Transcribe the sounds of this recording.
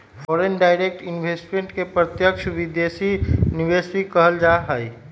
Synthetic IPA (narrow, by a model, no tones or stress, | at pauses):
pʰɔːɾenɖaːɪɾek̚ʈɪnbʱesʈmẽɳʈkepɾət̪jəkʃʰʋid̪jesiniʋesɾikəɦəld͡ʒaɦəi